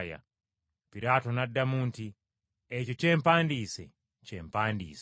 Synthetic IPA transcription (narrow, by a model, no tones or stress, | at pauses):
ja̰ | piɾatɔnadamuːnti | ɛt͡ʃɔt͡ʃɛm̩pandisɛ | t͡ʃɛm̩pandḭːs